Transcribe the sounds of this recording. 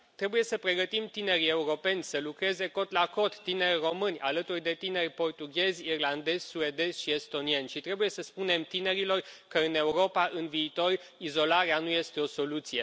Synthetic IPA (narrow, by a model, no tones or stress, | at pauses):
t̪ɾe̞buje̞səpɾe̞ɡət̪imt̪ine̞ɾʲie̞uɾo̞pe̞nʲsəlukɾe̞ze̞ko̞t̪lako̞t̪ːine̞rʲro̞mɨnʲa̰lət̪urʲd̪e̞t̪ine̞rʲpo̞rt̪uɡʲe̞zʲirland̪e̞zʲsue̞d̪e̞z̥ʲʃie̞st̪o̞nie̞nʲʃit̪ɾe̞buje̞səspune̞mt̪ine̞ɾilo̞rkəɨne̞uɾo̞paʔɨnviːt̪o̞rizo̞laɾeanuje̞st̪e̞o̞so̞lut̪sije̞